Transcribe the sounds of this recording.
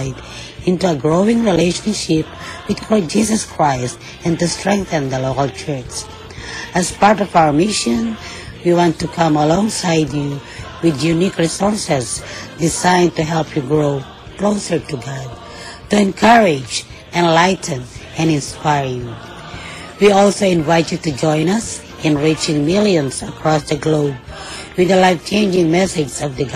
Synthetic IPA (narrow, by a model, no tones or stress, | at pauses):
ɪd | ɪ̃ntuəɡɹoʊɪ̃ŋɹileɪʃə̃nʃɪp | wɨð̥kʰɔd͡ʒisəskʰɹaɪst | ɛ̃ntustɹɛ̃ŋk̚θɨ̃nðəloʊkəlˠt͡ʃʰɜ˞t͡ʃ | ɨzpaɹtɔvaʊwə˞mɪʃə̃n | wiwɑ̃ntukʰʌ̃məlɔ̃ŋsaɪdju | wɪðjunikɹisɔɹsɛzdɪzãɪ̃ntuɦɛlˠpʰjuɡɹoʊ | kʰloʊsə˞tuɡɑd̚ | tuɛ̃nkʰʌɹɪd͡ʒ | ɨ̃nlaɪtn̩ɨ̃nɨ̃nspaɪɹju | wiɔlˠsoʊɪ̃nvaɪtjɨtud͡ʒɔ̃ɪ̃nʌs | ɨ̃nɹit͡ʃɪ̃ŋmɪlˠjɨ̃nzəkʰɹ̥ɔsðɨɡloʊb̚ | wɨðəlaɪft͡ʃʰẽɪ̃nd͡ʒɪ̃ŋmɛsɪd͡ʒzʌvðɨɡ